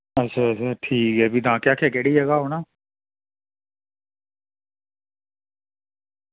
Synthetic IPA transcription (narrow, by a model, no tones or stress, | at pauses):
ətːʃʰaːət͡ʃʰaːʈʰiːkɦɛːbiːt̪ãːkjaːkʰɛːkɛːɽiːɦɛːɡaːɦoːnaː